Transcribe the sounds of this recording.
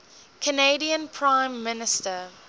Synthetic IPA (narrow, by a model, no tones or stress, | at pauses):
kʰəneɪdiə̃npʰɹãɪ̃mːɪnɪstə